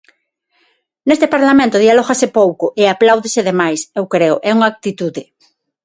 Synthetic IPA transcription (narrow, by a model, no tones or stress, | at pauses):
nest̪epaɾlamẽnt̪ʊðialɔɣasɪpowkʊʔɪaplawðɪsɪðemajsewkɾeʊʔɛuŋak̚t̪it̪uðɪ